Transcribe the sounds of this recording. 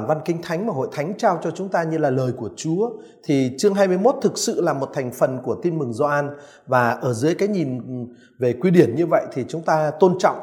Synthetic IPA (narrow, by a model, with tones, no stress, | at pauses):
nva˧nkï˧ŋ̟t̪ʰa˨˦jŋ̟maː˨˩ɦo̰˧˨jt̪ʰa˨˦ŋ̟t͡ɕaː˧wt͡ɕɔ˧t͡ɕʊ˨˦ŋ͡mt̪aː˧ɲɨ˧laː˨˩ləː˨˩jku˧˩ət͡ɕu˨˦ə | t̪ʰi˨˩t͡ɕɨ˧əŋɦaː˧jm˧əjmo˦˥t̚t̪ʰɨ˨˩k̚sɨ̰˧˨laː˨˩mo˨˩t̚t̪ʰa˨˩ŋ̟fə˨˩nku˧˩ət̪i˧nmɨ˨˩ŋzɔ˧ʔaː˧n | vaː˨˩ʔəː˧˩zɨ̰˨˦jkaː˨˦jɲi˨˩n | ve˨˩kwi˧ɗi˧˩ənɲɨ˧və̰˧˨jt̪ʰi˨˩t͡ɕʊ˨˦ŋ͡mt̪aː˧t̪o˧nt͡ɕɔ̰˧˨wŋ͡m